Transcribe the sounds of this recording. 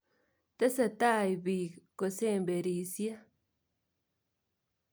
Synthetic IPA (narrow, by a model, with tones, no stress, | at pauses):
t̪e˦sa˨t̪a˦jbi˨ko˨se˦˨mbe˨ɾi˨sja˦